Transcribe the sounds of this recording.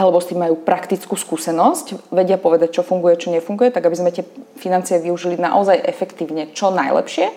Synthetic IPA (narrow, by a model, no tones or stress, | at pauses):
alɛbɔst̪imːajuːpɾakt̪it͡skuːskuːsɛnɔscʋɛɟɪapɔʋɛd̪ac̚t͡ʃɔfuŋɡujɛt͡ʃɔɲɛfuŋɡujɛt̪aɡabizmɛt̪ɪɛfinant͡siɪɛʋiuʒilina̰ʔɔzajʔɛfɛkt̪iːʊɲɛt͡ʃɔnajlɛ̰pʃɪɛ